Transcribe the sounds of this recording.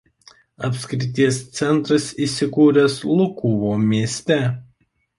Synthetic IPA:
ɐpʲsʲkʲɾʲɪt̪ʲiɛst̪sʲɛnt̪ɾɐsiːˑsʲɪkuːɾʲɛslˠʊkuːʋoːmʲiɛsʲt̪ʲɛ

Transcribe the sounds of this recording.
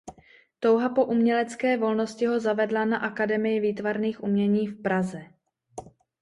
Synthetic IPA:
t̪o̞wɦapo̞ʔumɲɛlɛt͡skɛːvo̞lno̞scɪɦo̞zavɛdlanaʔakadɛmɪjɪviːt̪vaɾniːxʔumɲɛɲiːfpɾazɛ

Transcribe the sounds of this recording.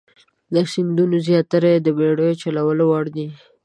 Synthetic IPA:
ləsind̪unozjɑt̪aɾaed̪əbeɽəjot͡ʃalawəlowɑɽd̪i

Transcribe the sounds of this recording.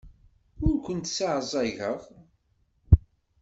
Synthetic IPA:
ʊɾkʷənt̪saʕzˤɑʝəʁ

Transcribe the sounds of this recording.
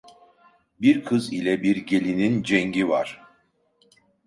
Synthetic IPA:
biɾkʰɯzilʲɛbiɾɟe̞lʲinind͡ʒɛŋɟivaɾ̥

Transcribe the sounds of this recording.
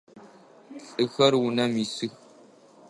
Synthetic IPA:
ɬʼɨxɐrwʊnɐmisɨx

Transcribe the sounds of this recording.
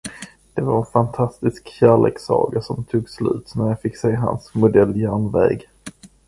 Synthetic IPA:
d̪̥ɛvaɾɛnfant̪ʰast̪ɪskɕæːɭḛːksɑ̰ːɡasɔmt̪ʰuːɡslʉ̟̰ːt̪næɾjafɪkːseːɦa̰nsmʊd̪ɛlːjæːɳvɛ̰ːɡ

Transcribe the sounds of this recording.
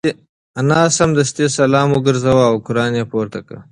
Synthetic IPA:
ɐnaːsɐmd̪ɐst̪esɐlɑːmuɡəɾzɐwaːwkʊɾɑːnjepoːɾt̪ɐka̰

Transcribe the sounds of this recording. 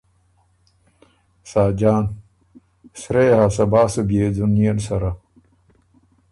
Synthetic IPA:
saːd͡ʑaːn | sɾeːɦasɐbaːsubieːd͡zunjɐnsɐɾa

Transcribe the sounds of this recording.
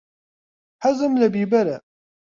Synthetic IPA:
ħazˤəmlæbibæɾæ

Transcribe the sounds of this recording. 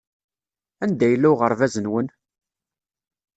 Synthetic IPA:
ænd̪æjəlːuʁəɾˤvæzənwən

